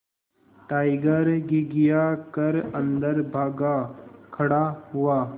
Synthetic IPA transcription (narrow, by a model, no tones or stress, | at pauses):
ʈaːɪɡəɾɡiɡɪjakəɾə̃nd̪əɾbʱaːɡakʰɐɽaɦʊaː